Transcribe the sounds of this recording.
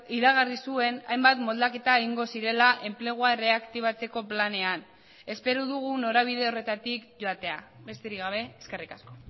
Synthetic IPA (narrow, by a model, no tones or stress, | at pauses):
iɾaɣarisue̞na̰jmbat̪mo̞ld̪ake̞t̪aeɣiŋɡo̞siɾe̞laʔe̞mple̞ɣ̞uare̞akt̪iβ̞at͡se̞ko̞plane̞an | e̞spe̞ɾuðuɣ̞uno̞ɾaβ̞iðe̞o̞re̞t̪at̪ikʝo̞at̪e̞aβe̞st̪eɾikɡɣaβe̞ːske̞rikasko̞